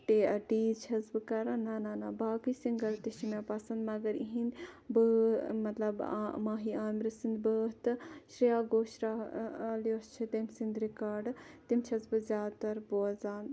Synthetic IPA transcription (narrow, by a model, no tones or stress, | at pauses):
ʈeːɐʈiːt͡ʃʰɐzbɨkɐɾɐnaːnaːnaːbaːkisiŋɡɐɾt̪iʃimjaːpɐsɐnd̪mɐɡɐɾiɦinbəːmɐt̪lɐbmaːɦiaːnɾisind̪bəːɦt̪ɨʃɾijaːɡoːʃɾaːljost͡ʃʰit̪emsind̪ɾikaːɖt̪imt͡ʃʰɐzbɨzʲjaːt̪ɐɾboɐzaːn